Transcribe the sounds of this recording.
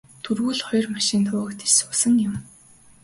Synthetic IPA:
t̪ʰurɣuːɮχɔjrmaʃɪːnt̪ʰʊ̆ːkt̪ʰe̥sʊsə̆ŋjʊm

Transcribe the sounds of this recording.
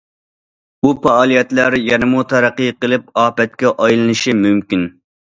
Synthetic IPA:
upɑɑːlˠijɛt̪læɾjɛnɪmut̪ʰɛɾæqːɨjqəlˠɨpɑːbɛt̪̚kʲɛʔɑjlˠɨnɨʃimymkʲin

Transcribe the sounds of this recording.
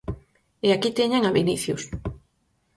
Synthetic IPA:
eakit̪eɲaŋaβiniθjʊ̰s

